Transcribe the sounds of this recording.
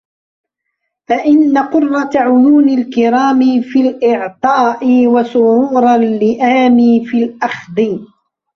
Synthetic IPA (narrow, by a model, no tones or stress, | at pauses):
faʔɪnːaqʊrˤːɑt̪ʕʊjuːnalkɪɾɑːmɪfilʔɪʕt̪ˤɑːʔɪwasʊɾuːɾˤallːɪʔaːmiːfilʔɑxd̪ˤɨ